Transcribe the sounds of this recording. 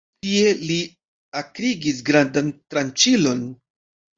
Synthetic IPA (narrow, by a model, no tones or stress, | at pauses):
tie̞li | akɾiɡis̬ɡɾandantɾant͡ʃilo̞n